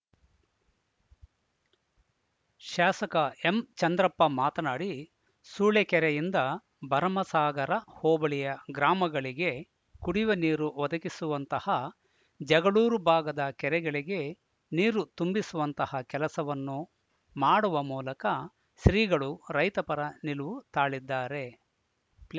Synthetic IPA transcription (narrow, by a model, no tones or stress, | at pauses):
ʃaːsɐkɐe̞mt͡ʃɐnd̪ɾɐpːɐmaːt̪ɐnaːɽi | suːɭekɛɾɛjind̪ɐ | bɐɾɐmɐsaːɡɐɾɐhɔːbɐɭijɐɡɾaːmɐɡɐɭiɡe̞ | kuɽiʋɐniːɾuʋɐd̪ɐkisuʋɐnt̪ɐhɐ | d͡ʒɐɡɐɭuːɾubʱaːɡɐd̪ɐkɛɾɛɡɐɭiɡe̞ | niːɾut̪umbisuʋɐnt̪ɐhɐkɛlɐsɐʋɐnːu | maːɽuʋɐmuːlɐkɐ | ʃɾiːɡɐɭuɾɐjt̪ɐpɐɾɐniluʋut̪aːɭid̪ːaːɾe̞